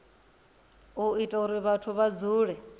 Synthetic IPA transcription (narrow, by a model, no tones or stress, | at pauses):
uitʼauɾiβatʰuβad͡zuːɺɛ